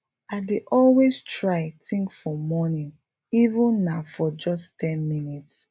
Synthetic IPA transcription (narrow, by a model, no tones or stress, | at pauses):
aɪdeʔɔlwestɹaɪtʰĩŋkfɔmɔnĩn | ivũnːafɔd͡ʒɔstɛ̃nminits